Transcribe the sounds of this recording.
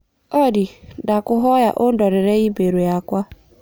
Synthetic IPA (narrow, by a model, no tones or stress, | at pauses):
ɔdɪdakʊɦɔja̰ʔʊdɔɾɪɾeɣibeɾujakʷa